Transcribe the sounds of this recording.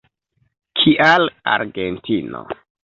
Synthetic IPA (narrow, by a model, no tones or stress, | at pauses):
kʰiʔalaɾɡentino̰